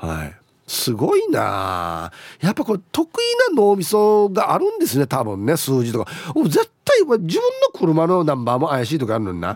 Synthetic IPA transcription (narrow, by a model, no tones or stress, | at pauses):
ha̰ḭ | sɨɡo̞ina̰ | japːaikot̪o̞kɯinano̞ːmʲisoɡaʔaɾɯ̟̃nd̪e̞sɨne̞t̪abɯ̟̃nːe̞sɨːʑit̪o̞kaoːze̞t̪ːaiad͡ʑibɯ̟̃nːokʰɯ̟ɾɯ̟mano̞nãmbaːmo̞ajaɕiːt̪o̞kaɾɯ̟no̰ɲʲina̰